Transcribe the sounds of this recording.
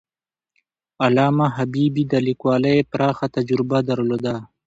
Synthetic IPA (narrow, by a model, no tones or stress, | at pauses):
alɑːmaɦabiːbid̪alikwɑːlaepɾɑːxat̪ad͡ʒɾɪbad̪ɐɾloːd̪a